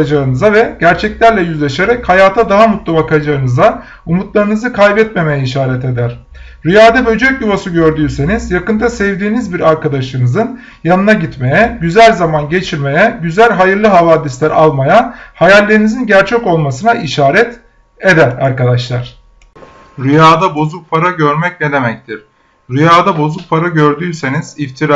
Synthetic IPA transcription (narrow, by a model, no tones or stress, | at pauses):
ad͡ʒaɯnɯzavɛɟ̥æɾt͡ʃʰɛclʲæɾlʲɛjyzlʲeʃe̞ɾɛchajaːt̪ʰad̪aɦamut̪lˠabakʰad͡ʒaɯnɯza | umut̪lˠaɾɯnɯzɯkʰajbɛt̪me̞me̞jɛiʃaːɾɛt̪e̞d̪æɾ̥ | ɾyjaːd̪ɛbø̞d͡ʒøc̚juvasɯɟø̞ɾd̪yːse̞nizjakɯnd̪asɛvd̪iːnizbiɾaɾkad̪aʃɯnɯzɯn | janɯnaɟit̪me̞jɛɟyzælʲzamanɟe̞t͡ʃʰiɾme̞jɛɟyzælʲɦajɯɾlˠɯɦavaːd̪islʲæɾʔalˠmajahajalʲːe̞ɾinizinɟæɾt͡ʃʰɛco̞lˠmasɯnaiʃaːɾɛt̪ | e̞d̪æɾaɾkad̪aʃlˠaɾ̝̥ | ɾyjaːd̪abo̞zuk̚pʰaɾaɟøɾmɛcned̪e̞mɛc̚t̪ʰiɾ̥ | ɾyjaːd̪abo̞zuk̚pʰaɾaɟøɾd̪yːse̞niz̥ift̪ʰiɾ